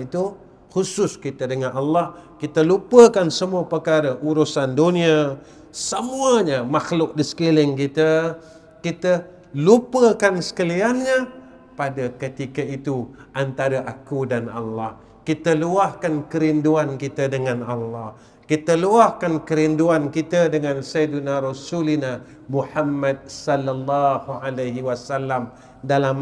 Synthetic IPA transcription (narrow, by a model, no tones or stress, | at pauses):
it̪u | xusʊskit̪ədəŋanʔalːahkit̪əlupəkansəmuapəkaɾəʔuɾusandunia | səmuəɲəmaxlʊk̚disə̥kilɪŋkit̪ə | kit̪ə | lupəkansə̥kəlianɲə | padakət̪ikəit̪uʔant̪aɾaʔakudana̰lːɑh | kit̪əluahkankəɾinduankit̪ədəŋanalːɑh | kit̪əluahkankəɾinduankit̪ədəŋãnsajdunaɾosulina | muħamːad̚sɔlːalːɑhualaɦiwasalːam | dalam